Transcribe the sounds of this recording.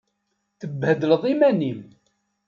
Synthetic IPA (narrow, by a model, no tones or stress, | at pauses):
θəbːhəd̪ələðˤimænim